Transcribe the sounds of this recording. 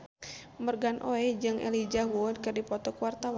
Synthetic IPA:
mərɡanʔo̰ɛd͡ʒɨŋʔɛ̰lid͡ʒaɦuɔd̪kɨrdipɔt̪ɔkwart̪awa

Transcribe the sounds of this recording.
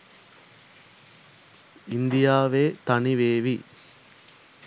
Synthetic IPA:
ind̪ijaːʋeːt̪ɐniʋeːʋi

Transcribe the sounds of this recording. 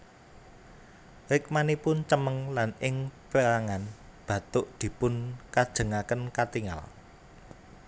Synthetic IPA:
rɪk̚manipʊnt͡ʃəməŋlanɪŋpəlaŋan | b̥ä̤t̪ʊʔd̪̥i̤pʊnkad̥ʒ̥ə̤ŋakənkat̪iŋa̰l

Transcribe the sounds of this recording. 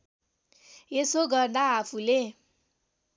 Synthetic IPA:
esoɡʌrd̪aapʰule

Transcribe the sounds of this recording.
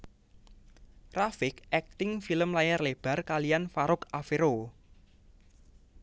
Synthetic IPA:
rafɪkɛk̚t̪ɪŋfiləmlajarleb̥a̤rkalijanfaɾʊkafeɾo

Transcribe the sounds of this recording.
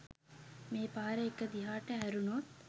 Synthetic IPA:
meːpaːɾeekːəd̪iɦaːʈəɦæɾunot̪̚

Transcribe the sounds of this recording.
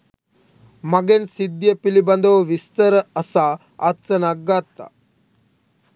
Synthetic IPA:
mɐɡensid̪jɐpilibɐnd̪ɐʋɐʋist̪ɐɾɐɐsaː | ɐ̰tsɐnaɡat̪ːa̰

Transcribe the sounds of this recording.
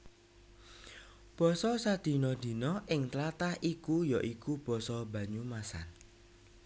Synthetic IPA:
b̥ɔ̤sɔsad̪̥i̤nɔd̪̥i̤nɔʔɪŋt̪lat̪ahikujaʔikub̥ɔ̤sɔb̥ä̤ɲumasa̰n

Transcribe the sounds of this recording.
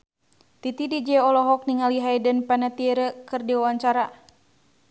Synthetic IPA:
t̪it̪idid͡ʒɛɔlɔɦɔk̚niŋaliɦajdənpanat̪ieɾəkɨrdiwawaɲt͡ʃaɾa

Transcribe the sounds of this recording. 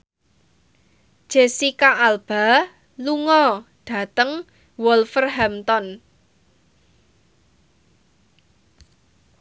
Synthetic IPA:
d̥ʒ̥esikaʔːlb̥a̤ | luŋɔɖ̥a̤t̪əŋ | wɔlfərɦɛmt̪ɔn

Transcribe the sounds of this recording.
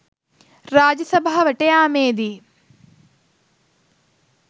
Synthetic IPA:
ɾaːd͡ʒɐsɐbʱaːʋɐʈeaːmeːd̪i

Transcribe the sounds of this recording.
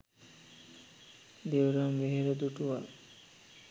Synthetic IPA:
d̪ewɾambeɦeɾod̪uʈuwa

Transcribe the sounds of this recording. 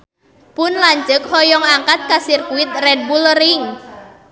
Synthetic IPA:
pʊnlaɲd͡ʒək̚hɔjɔŋaŋkat̪̚kasirkuwɪt̪̚rɛd̚bulrɪŋ

